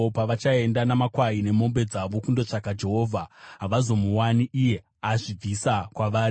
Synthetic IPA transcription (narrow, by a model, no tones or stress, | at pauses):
opaʋat͡ʃae̞ndanamakwaine̞mo̞mbe̞d͡zaʋo̞kundo̞t͡ʂakad͡ʒe̞ɦo̞ːvʱaɦaʋazo̞muwaniʔije̞ | aʐib͡visakwaʋaːri